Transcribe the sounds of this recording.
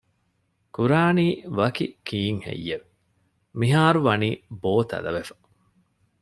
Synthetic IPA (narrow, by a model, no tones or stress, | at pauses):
kuɾaːniːʋɐkikiːŋhḛjːeʋe | miɦaːɾuʋɐniːboːt̪ɐ̰lɐ̰ʋefɐ̥